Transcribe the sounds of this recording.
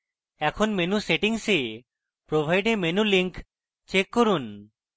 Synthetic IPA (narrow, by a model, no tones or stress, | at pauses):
ɛkʰonmenuseʈiŋse | pɾobʱajɖemenuliŋk | t͡ʃekːoɾun